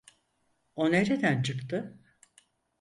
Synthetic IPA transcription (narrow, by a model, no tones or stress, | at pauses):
oneɾed̪ænt͡ʃʰɯkt̪ɯ